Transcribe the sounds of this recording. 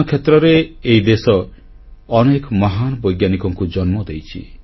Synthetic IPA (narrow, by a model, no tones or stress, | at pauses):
kʰet̪ɾɔɾeːid̪esɔː | nekmɔɦanɔbɔjɡjanikɔŋkud͡ʒɔnmɔd̪ejt͡ʃʰḭ